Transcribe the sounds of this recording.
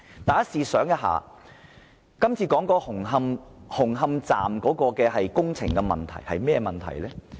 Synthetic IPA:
t̪aː˨jɐ˥siː˨˧sœː˨˥ŋjɐ˥t̚ɦa̰ː˨ | kɐ˥mt͡sʰiː˧kɔː˨˥ŋkɔː˧hʊ˨˩ŋɦɐ˧mhʊ˨˩ŋɦɐ˧mt͡sa̰ː˨mkɔː˨˥kɔː˧kɛː˧ɦɐ˨jkʊ˥ŋt͡sʰɪ̰˨˩ŋkɛ˧mɐ̰˨nt̪ʰɐ̰˨˩jhɐ̰˨jmɛː˥˧mɐ˨nt̪ʰɐ̰˨˩jlɛː˥

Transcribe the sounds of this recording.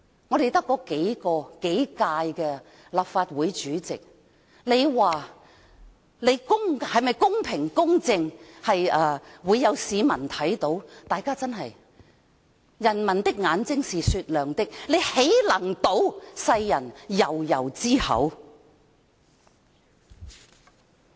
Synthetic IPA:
ŋɔː˨˧ɾe˨jt̪ɐ˥kːɔː˧ke˨˥jkɔː˧ke˨˥jkaː˧jkɛ˧ | laː˨pfaː˧t̚wuː˨˧˥jt͡ʃyː˨˥t͡sɪ˨k̚ | le˨˧jwaː˨ | le˨˧jkʊ˥ŋhɐ˨jmɐ˨˩jkʊ˥ŋpʰɪ˨˩ŋkʊ˥ŋt͡sɪ˧ŋhɐ˨jɐː˨˩wuː˨˧jːɐ˨˧wsiː˨˧mɐ˨˩nt̪ʰɐ˨˥jt̪o˨˥wt̪aː˨jkaː˥t͡sɐ˥nɦɐ˨j | jɐ˨˩nmɐ˨˩nt̪ɪ˥k̚ŋaː˨˥nt͡sɪ˥ŋsiː˨syː˧t̚lœː˨ŋt̪ɪ˥k̚le˨˧jhe˨˥jlɐ˨˩ŋt̪o˨˥wsɐ˧jjɐ˨˩njɐ˨˩wjɐ˨˩wt͡siː˥hɐ̰˨˥w

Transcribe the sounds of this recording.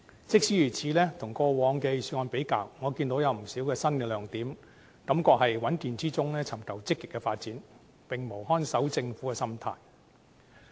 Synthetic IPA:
t͡sɪ˥k̚siː˨˥jyː˨˩t͡sʰiː˨˥lɛː˥t̪ʰʊ˨˩ŋkɔː˧wɔː˨˧ŋkɛ˧jsyː˧˥ŋɔː˨˧npe˨˥jkaː˧wŋɔː˨˧kiː˧nt̪o˨˥wjɐ˨˧wm̩˨˩siː˨˥wkɛː˧sɐ˥nkɛ˧lœː˨˧ŋt̪iː˨˥m | kɐ˨˥mkɔː˧k̚hɐ˨jwɐ˨˥nt̪iː˨nt͡siː˥t͡sʊ˥ŋlɛː˥t͡sʰɐ˨˩mkʰɐ˨˩wt͡sɪ˥kːɪ˨kːɛ˧faː˧t̚t͡siː˨˥n | pɪ˨ŋmo˨˩wɦɔː˥nsɐ˨˥wt͡sɪ˧ŋfuː˨˥kɛ˧sɐ˥mt̪ʰa̰ː˧j

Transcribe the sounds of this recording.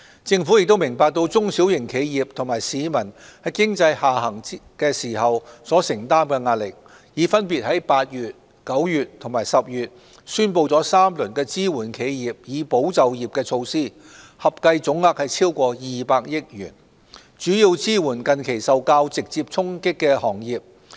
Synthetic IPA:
t͡sɪ˧ŋfuː˨˥jɪ˨k̚t̪o˥wmɪ˨˩ŋpaː˧k̚t̪o˧wt͡sʊ˥ŋsi˨˥wjɪ˨˩ŋkʰe˨˧jjiː˨p̚t̪ʰŋmaː˨˩jsiː˨˧mɐ˨˩nhɐ˨˥jkɪ˥ŋt͡sɐ˧jhaː˨hɐ˨˩ŋkɛː˧siː˨˩ɦɐ˨wsɔː˨˥sɪ˨˩ŋt̪aː˥mkɛː˧ŋaː˧t̚lɪ˨k̚ | jiː˨˧˥fɐ˥npiː˨t̚hɐ˨˥jpaː˧t̚jyː˨t̚ | kɐ˨˥wjyː˨t̚t̪ʰʊ˨˩ŋmaː˨˩jsɐ˨p̚jyː˨t̚ | syː˥npo˧wt͡sɔː˨˥saː˥mlɵ˨˩nkɛː˧t͡siː˥wuː˨˩nkʰe˨˧jjiː˨p̚jiː˨˧po˨˥wt͡sɐ˨wjiː˨p̚kɛː˧t͡sʰo˧wsiː˥ | hɐ˨p̚kɐ˧jt͡sʊ˨˥ŋaː˧˥k̚hɐ˨jt͡sʰiː˥wkʷɔː˧jiː˨paː˧k̚jɪ˥k̚jy̰ː˨˩n | t͡ʃyː˨˥jiː˧wt͡siː˥wuː˨˩nkɐ˨nkʰe˨˩jsɐ˨wkaː˧wt͡sɪ˨k̚t͡siː˧p̚t͡sʰʊ˥ŋkɪ˥kːɛː˧hɔː˨˩ŋjiː˨p̚

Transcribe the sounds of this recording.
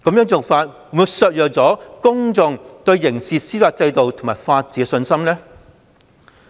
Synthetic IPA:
kɐ˨˥mjœː˧˥ŋt͡so˨wfaː˧t̚ːmuː˨˧sœː˨˧t̚jœː˨k̚t͡sɔː˨˥kʊ˥ŋt͡sʊ˨˧ŋt̪ɵ˧ɥjɪ˨˩ŋsiː˨siː˥faː˧t̚t͡sɐ˧jt̪o˨wt̪ʰŋmaː˨˩jfaː˧t̚t͡siː˨˥ɛ˧sɵ˧nsɐ˥mlɛː˥

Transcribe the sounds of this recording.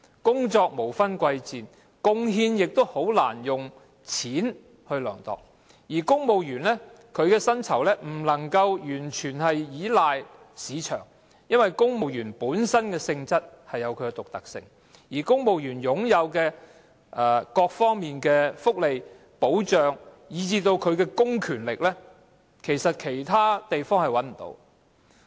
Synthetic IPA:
kʊ˥ŋt͡sɔː˧k̚mo˨˩wfɐ˥nkʷɐ˧jt͡siː˨n | kʊ˧ŋɦiː˧njɪ˨k̚t̪o˥who˨˥wlaː˨˩njʊ˨ŋ | t͡sʰiː˨˥n | hɵ˧ɥlœ̰ː˨˩ŋt̪ɔ̰ː˨˩k̚ | jiː˨˩kʊ˥ŋmo˨wjyː˨˩nlɛː˥ | kʰɵ˨˧ɥkɛː˧sɐ˥nt͡sʰɐ˨˩wlɛː˥m̩˨˩lɐ˨˩ŋkɐ˧wjyː˨˩nt͡ʃʰyː˨˩nhɐ˨jjiː˨˥laː˨j | siː˨˧t͡ʃʰœ̰ː˨˩ŋ | jɐ˥nwɐ˨jkʊ˥ŋmo˨wjyː˨˩npuː˨˥nsɐ˥nkɛː˧sɪ˧ŋt͡sɐ˥t̚hɐ˨jːɐ˨˧wkʰɵ˧kɛ˧t̪ʊ˨k̚t̪ɐ˨k̚sɪ̰˧ŋ | jiː˨˩kʊ˥ŋmo˨wjyː˨˩njʊ˨˥ŋjɐ˨˧wkɛː˧ | ɛ˨˩kɔː˧k̚fɔː˥ŋmiː˨nkɛː˧fʊ˥k̚le˨j | po˨˥wt͡ʃœː˨ŋ | jiː˨˧t͡siː˧t̪o˧wkʰɵ˨˧ɥkɛː˧kʊ˥ŋkʰyː˨˩nlɪ˨k̚lɛː˥ | kʰe˨˩jsɐ˨t̚kʰe˨˩jt̪ʰaː˥t̪e˨jfɔː˥ŋhɐ˨jwɐ˨˥nm̩˨˩t̪o̰˧˥w

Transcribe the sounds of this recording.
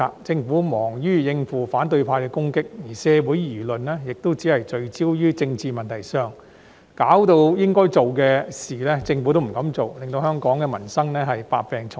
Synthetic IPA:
a˧t͡sɪ˧ŋfuː˨˥mɔː˨˩ŋjyː˥jɪ˧ŋfuː˨˩faː˨˥nt̪ɵ˧ɥpʰaː˧kɛ˧kʊ˥ŋkɪ˥k̚jiː˨˩sɛː˧wuː˨˥jjyː˨˩lɵ˨nːɛː˥jɪ˨k̚t̪o˥wt͡siː˨˥hɐ˨jt͡ʃɵ˧ɥt͡siː˥wjyː˥t͡sɪ˧ŋt͡siː˨˧mɐ˨nt̪ʰɐ˨˩jsœː˨˧ŋ | kaː˨˥wt̪o˧wjɪ˥ŋkɔː˥jt͡so˨wkɛː˧siː˨lɛː˥t͡sɪ˧ŋfu˨˥t̪o˥wm̩˨˩kɐ˨˧˥mt͡so˨wlɪ˨ŋt̪o˧whœː˥ŋkɔː˨˥ŋkɛː˧mɐ˨˩nsɐ˥ŋnɛː˥ɦɐ˨jpa̰ː˧k̚pɛː˨ŋt͡sʰʊ˨

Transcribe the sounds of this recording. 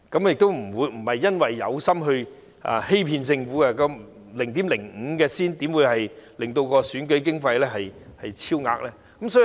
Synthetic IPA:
kɐ˨˥mjɪ˨k̚t̪o˥wm̩˨˩wuː˨˧jm̩˨˩hɐ˨jːɐ˥nwɐ˨jːɐ̰˨˧wsɐ˥mɦɵ˧ɥ | ʔa̰ː˨˧he˥jpʰiː˧nsɪ˧ŋfuː˨˥kɐ˧kɔː˧ | lɪ˨˩ŋt̪i˨˥mlɪ˨˩ŋŋ̩ː˨˧kɛː˧siː˥nt̪iː˨˥mwuː˨˧jhɐ˨jlɪ˨ŋt̪o˧wkɔː˧syː˨˥nkɵ˨˥ɥkɪ˥ŋfɐ˧jlɛː˥ɦɐ˨jhɐ˨jt͡sʰiː˥wŋa̰ː˧k̚lɛː˥ | kɐ˧˥msɔː˨˥i˧

